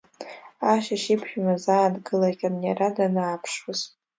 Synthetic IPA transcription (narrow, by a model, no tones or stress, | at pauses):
aʃaʃipʰħᶣamazaːdɡɨlakʲʼanjaɾadanaːpʰʂwaz̥